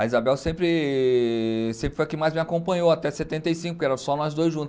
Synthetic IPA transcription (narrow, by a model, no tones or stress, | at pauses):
ɐizabɛwsẽmpɾɪ | sẽpɾɪfojkẽmajzmɪakõpɐ̃ɲoat̪ɛset̪ẽnt̪ejsĩŋkʊkɪɛɾɐ̃sɔnɔzd̪ojzʒũt̪ʊ